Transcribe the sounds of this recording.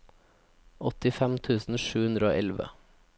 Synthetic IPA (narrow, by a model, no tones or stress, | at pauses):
ɔt̪ɪfɛmt̪ʰʉːsn̩ʃʉːhʉnd̪ɾəo̰ːʔɛlʋə̰